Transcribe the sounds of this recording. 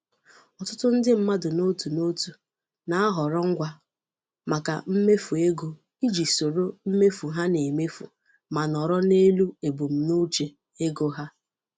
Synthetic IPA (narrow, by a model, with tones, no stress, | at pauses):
ɔ˨tʊ˦tʊ˦n̩˦dɪ˦m̩˦ma˦dʊ˨no˦tu˨no˦tu˨ | na˨˦a˦ɦɔ˨ɾɔ˦ŋ̩˦ɡʷa˦ | ma˨ka̰˨m̩˦me˦fu˨e˦ɡo˨ | i˦d͡ʒi˨so˨ɾo˦m̩˦me˦fu˨ɦa˦ne˨me˦fu˨ | ma˨nɔ˨ɾɔ˦ne˦lu˦e˨bu˨m̩˨nu˦t͡ʃe˨ | e˦ɡo˦ɦa˦